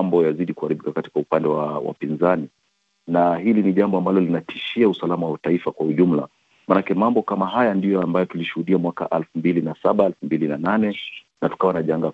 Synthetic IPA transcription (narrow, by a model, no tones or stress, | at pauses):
mbɔjaziɗikuhaɾiɓikakati̥kaupandɛwawa̰pinzani | nahiliniʄambɔambalɔlinatʰiʃiausalamawawataifakwauʄum̩la | manakɛmambɔkamaɦajandijɔambajɔtuliʃuhuɗiamwaka̰ʔalfumbilinasaɓaɛlfumbilinananɛ | natu̥kawanaʄaŋɡa